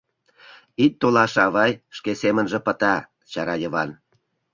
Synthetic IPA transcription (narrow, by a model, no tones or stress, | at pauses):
it̪̚ːolɑʃɑβɑjʃkesemənʒə̆pət̪ɑ | t͡ɕɑɾɑjə̆βɑn